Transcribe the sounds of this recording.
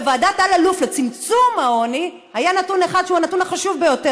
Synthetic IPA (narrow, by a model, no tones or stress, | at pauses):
vaːdatalaluflet͡simt͡sumao̞ni | hajanatuneχad̪ʃuanatunaχaʃuvbejo̞te